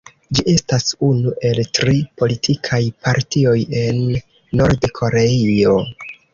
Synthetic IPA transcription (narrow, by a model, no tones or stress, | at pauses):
d͡ʒiʔe̞stasunuʔe̞ltɾipo̞litʰikʰajpaɾtio̞je̞nː | o̞ɾdkʰo̞ɾeio̞